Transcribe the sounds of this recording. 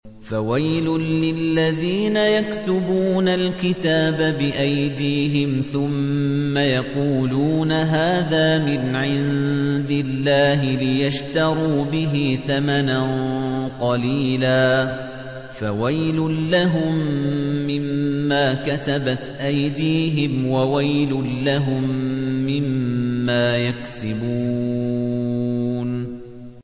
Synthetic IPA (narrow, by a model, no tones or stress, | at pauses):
fawajlʊːɪlːaðiːnajakt̪ʊbuːnalkɪt̪aːbabɪʔajd̪iːɦɪmθʊmːajɑquːluːnaɦaːðaːmɪnʕɪnd̪ɪlːaːɦɪlɪjaʃt̪ɑɾuːbɪɦɪθamananqɑliːlaː | fawajlʊnːaɦʊmː | ɪmːaːkat̪abat̪ʔajd̪iːɦɪmwawajlʊlaɦʊmːɪmːaːjaksɪbuː | n